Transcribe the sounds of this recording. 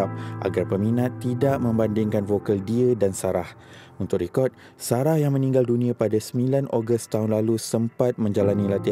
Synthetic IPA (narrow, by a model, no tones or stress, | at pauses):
ap̚ʔa̰ɡarpəminãt̪ːidaʔmə̃mbandɪŋkanfokaldiədansaɾah | unt̪ʊk̚ɾikɔt̪̚ | saɾahjaŋmə̃nĩŋɡaldunĩãpadasəmilanʔoɡəst̪aɦʊnlalusəmpat̪̚mə̃ɲd͡ʒalanĩlat̪i